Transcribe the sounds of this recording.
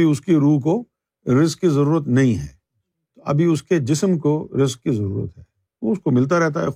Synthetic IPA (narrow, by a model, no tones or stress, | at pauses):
iʊskiɾuːɦk̬o | ɾɪzkːizɐɾuːɾət̪nɐɦĩɦɛ̰ː | t̪oʔɐ̰bʱiʊsked͡ʒɪsəmkoɾɪzkːizɐɾuːɾə̰t̪ɦɛː | oʊskomɪlt̪̬aɾɛɦt̪aɦɛ̰